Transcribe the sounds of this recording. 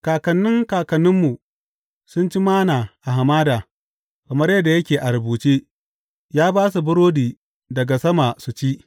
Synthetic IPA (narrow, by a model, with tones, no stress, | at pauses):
kaː˨kɐ˨nːɪ˦ŋkaː˨kɐ˨nːʊ˦mːu˨ | sʊ˦nt͡ʃi˦maː˦naː˨ʔa˨ɦa˨maː˦daː˨ | kɐ˨mɐ˦rjɐ˦dːa˨jɐ˦kʲeː˨ʔa˨ɾɐ˨buː˨t͡ʃeː˦ | jaː˦baː˦s̬u˨bʊ˦ɾoː˦diː˨ | dɐ˨ɡa˨sɐ˦ma˨su˨t͡ʃiː˦ʔ